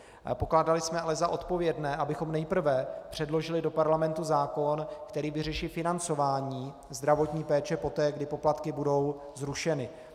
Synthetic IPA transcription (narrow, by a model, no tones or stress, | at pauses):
po̞klaːdalɪsmɛalɛzaʔo̞t̪po̞vjɛdnɛːʔabɪxo̞mnɛjpr̩vɛpr̥ɛdlo̞ʒɪlɪdo̞paɾlamɛnt̪uzaːko̞nkt̪ɛɾiːvɪrɛʃiːfɪnant͡so̞vaːɲiː | zd̪ɾavo̞t̪ɲiːpɛːt͡ʃɛpo̞t̪ɛːɡdɪpo̞plat̪kɪbudo̞w | zɾuʃɛnɪ